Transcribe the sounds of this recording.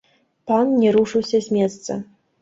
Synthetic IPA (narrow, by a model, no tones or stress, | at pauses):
pannʲɛɾuʂɨwsʲɐzʲmʲɛt̪st̪sɐ̰